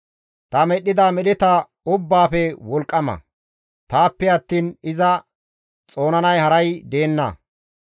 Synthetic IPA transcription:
t̪ɐmɛɗːɪd̪aːmɛɗɪt̪ɐ | ʊbːaːfɛwɔlkʼːɐmɐ̰ | t̪aːpːɛɐt̪ːiːnɪzɐ | t͡sʼo̞ːnɐnɐjhɐɾɐjd̪e̞ːnːɐ̰

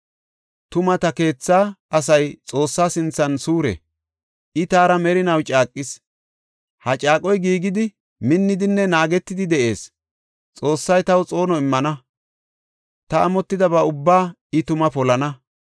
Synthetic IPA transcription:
t̪ʊmɐt̪ɐke̞ːt͡sːaːɐsɐjt͡sʼo̞ːsːaːsɪnt͡sːɐnsuːɾɛ̰ | ʔɪt̪aːɾɐmɛɾɪnɐwt͡ʃʼaːkʼːɪs | hɐt͡ʃʼaːkʼɔjɡiːɡɪd̪ɪ | mɪnːɪd̪ɪnːɛnaːɡɛt̪ːɪd̪ɪd̪ɛʔe̞̰ːs | t͡sʼo̞ːsːɐjt̪ɐwt͡sʼo̞ːnɔɪmːɐnɐ | t̪ɐɐmɔt̪ːɪd̪ɐbɐʊbːaː | ɪt̪ʊmɐpɔlɐnɐ

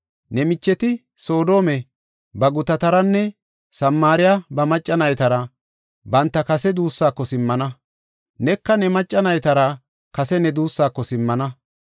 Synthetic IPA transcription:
nɛmɪt͡ʃːɛt̪ɪ | so̞ːd̪o̞ːmɛ | bɐɡʊt̪ɐt̪ɐɾɐnːɛ | sɐmːaːɾɪjabɐmɐt͡ʃʼːɐnɐjt̪ɐɾɐ | bɐnt̪ːɐkɐsɛd̪uːsːaːkːɔsɪmːɐnɐ | nɛkːɐnɛmɐt͡ʃʼːɐnɐjt̪ɐɾɐ | kɐsɛnɛd̪uːsːaːkːɔsɪmːɐnɐ

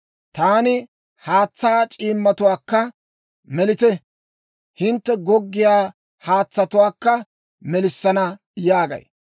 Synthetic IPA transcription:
t̪aːnɪ | haːt͡sːaːt͡ʃʼiːmːɐt̪ʊwaːkːɐ | mɛlɪt̪ɛ | hɪnt̪ːɛɡɔɡːɪjaː | haːt͡sːɐt̪ʊwaːkːɐ | mɛlɪsːɐnɐ | jaːɡɐ̰j

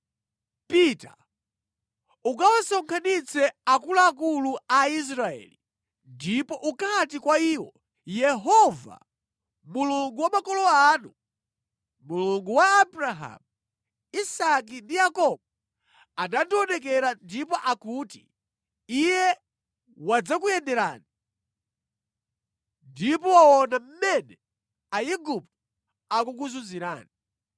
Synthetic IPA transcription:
pita | ukawasɔŋkʰanit͡sʰɛakulaːkuluais̬ɾaɛ̰ːli | ndipɔʔukat̬ikwaiːwɔ | jɛɦɔva̰ | muluŋɡuwamakɔlɔaːnu | muluŋɡuwaːbɾaɦa̰mu | isak̬indijakɔb̚ɔ | anandiɔnɛk̬ɛɾandipɔʔakuti̥̰ | ijɛ | wad͡zakujɛndɛɾa̰ːni | ndipɔaɔnam̩mɛnɛ | aiɡup̚t̚u | akuk̬uzunziɾa̰ːni

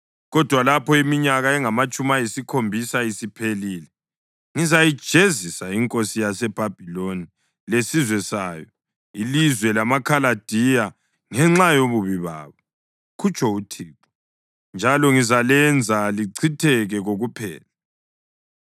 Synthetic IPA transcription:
ɣɔd̥ʱwalapʰɔimiɲaɣaɛŋamat͡ʃʼumajisikʰombʱisaisipʰeliːlɛ | ŋizajid̥ʒ̥ʱezisaiŋkʼosijasɛb̥ʱab̥ʱiloni | lesizwɛsajɔ | ilizwɛlamakʰalad̥ʱija | ŋɛŋ͡ǁajoβuβiβa̰ːβɔ | kʰut͡ʃʰʼɔutʰiːǁɔ̥ | nd͡ʒʱalɔŋizalɛnd͡zʱaliǀʰitʰɛɣɛɣoɣupʰɛ̰ːla

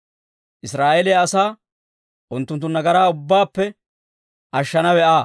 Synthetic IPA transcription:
ʔɪsɾaːʔɛlɛjɐsaː | ʔʊnt̪ːʊnt̪ːʊnːɐɡɐɾaːʊbːaːpːɛ | ʔɐʃːɐnɐwɛʔaː

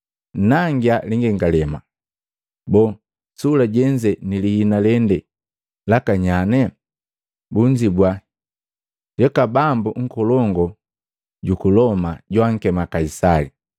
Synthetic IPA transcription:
naŋɡialiŋɡɛŋɡalɛma | bɔ | sulaɟɛɲd͡ʒɛnilihinalɛndɛ | lakaɲanɛ | buɲd͡ʒibwa | ɟɛkabambuŋ̩kɔlɔŋɡɔ | ɟukulɔmaɟwaŋ̩kɛmakaisali

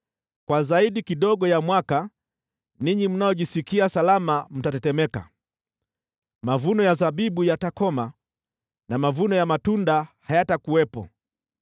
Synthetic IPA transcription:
kwazaiɗikiɗɔɠɔjamwaka | niɲim̩najɔʄisikiasalamam̩tatɛtɛmɛka̰ | mavunɔjazaɓiɓujatakɔma | namavunɔjamatundahajatakuwɛpɔ̰

